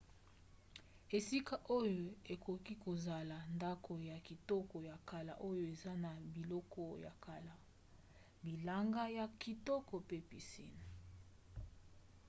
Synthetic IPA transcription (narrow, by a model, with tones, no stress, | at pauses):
e˨si˦ka˨ʔo˦jo˨e˨ko˨ki˦ko˨za˨la˨nda˦ko˨ja˨ki˨tɔ˦kɔ˨ja˨ka˨la̰˨ʔo˦jo˨e˨za˦na˨bi˨lɔ˦kɔ˦ja̰˨ka˨la˨ | bi˨la˦ŋɡa˦ja˨ki˨tɔ˦kɔ˨pe˦pi˨sḭ˦n˨